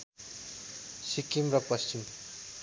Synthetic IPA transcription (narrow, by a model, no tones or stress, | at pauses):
sikimrʌpʌst͡ɕim